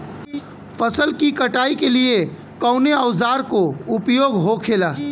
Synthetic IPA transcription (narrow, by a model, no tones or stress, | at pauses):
pʰəsəlkikəʈaːikelie | kəʊneəzaːɾkoʊpjoːɡɦokʰeːlaː